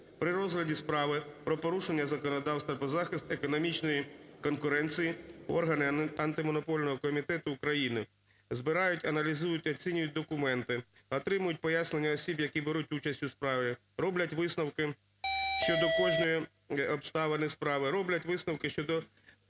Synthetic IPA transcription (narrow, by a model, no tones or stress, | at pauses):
pɾɪɾɔzɦlʲɐdʲispɾɑʋɪpɾɔpɔɾuʃenʲːɐzɐkɔnɔd̪ɑwst̪ɐpɔzɑxʲɪst̪ekɔnɔmʲit͡ʃnɔjikɔnkʊɾɛnʲt͡sʲijiɔrɦɐnɪɐnt̪ɪmɔnɔpɔlʲnɔɦɔkɔmʲit̪ɛt̪ʊːkɾɐjinɪ | zbɪɾɑjʊtʲɐnɐlʲizujʊtʲɔt͡sʲinʲʊjʊt̚ʲd̪ɔkʊmɛnt̪ɪ | ɔt̪ɾɪmʊjʊt̚ʲpɔjasne̞nʲːɐɔsʲibjɐkʲibeɾutʲut͡ʃɐsʲtʲʊspɾɑʋʲɪ | ɾɔblʲɐtʲʋɪsnɐwkɪ | ʃt͡ʃɔd̪ɔkɔʒnɔji | ɔpst̪ɑʋenɪspɾɑʋɪɾɔblʲɐtʲʋɪsnɐwkɪʃt͡ʃɔd̪ɔ